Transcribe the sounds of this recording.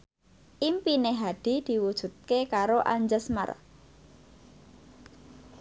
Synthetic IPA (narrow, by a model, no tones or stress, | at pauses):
ʔimpineɦad̪̥i̤d̪̥i̤wud̥ʒ̥ṳt̪̚kekaɾoʔa̰ɲd͡ʒəsma̰r